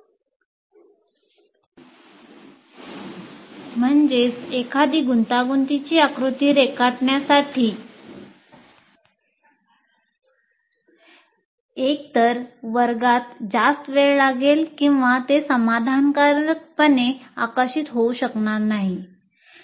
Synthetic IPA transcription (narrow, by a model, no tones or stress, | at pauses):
m̤əɳd͡ʑet͡sekʰad̪ʱiːɡunt̪aɡunt̪it͡ɕiːakɾut̪iːɾekaʈɳjasaʈʰiː | ek̚t̪əɾʋəɾɡat̪d͡ʑast̪ʋeɭlaɡelkĩw̃ʋat̪esəmad̪ʱankaɾək̚pənea̰kəɕit̪ɦouɕəknaɾnaɦi